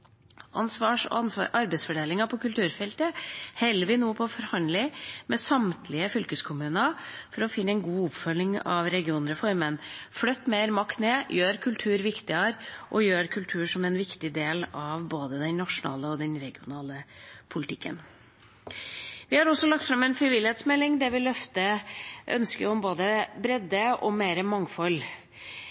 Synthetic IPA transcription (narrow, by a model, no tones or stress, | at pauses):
ʔɑnsʋɑːʂɔ̰ʔɑɾbɛɪsfɔɖeːlɪŋɑpʰɔkʉlt̪ʰʉːɾfɛlt̪əhɛlːəʋɪnoːpʰɔɔfɔɾhɑnlɪmɛsɑmt̪ʰlɪəfʏlkəskʰʊmʉːnəfɔɾɔfɪnːəɛɪnɡuːʊpfœlːɪŋɑ̰ʋɾɛɡɪuːnɾəfɔɾmənflœt̪ːmeɪɾmɑkt̪neːjøːɾkʰʉlt̪ʰʉːɾʋɪkt̪ɪəɾʔɔ̰jøːɾkʰʉlt̪ʰʉːʂɔmɛnʋɪkt̪ɪd̪eːlɑʋboːd̪əd̪ɛnnɑʂʊnɑ̰ːləɔd̪ɛnɾɛɡɪʊnɑːləpʰʊlɪt̪ʰɪkːə̰n | ʋɪhɑɾɔsːɔlɑk̚t̪fɾɑmɛnfɾɪʋɪlɪheːt̪smɛlːɪŋd̪ɛʋɪlœft̪əʔœ̰nskəɾɔmboːd̪əbɾɛd̪əʔɔ̰meːɾəmɑŋfɔl